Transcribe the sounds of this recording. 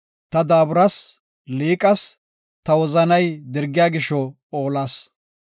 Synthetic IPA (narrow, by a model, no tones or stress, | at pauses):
t̪ɐd̪aːbʊɾɐs | liːkʼɐs | t̪ɐwɔzɐnɐjd̪ɪɾɡɪjaːɡɪʃɔ | oːlaːs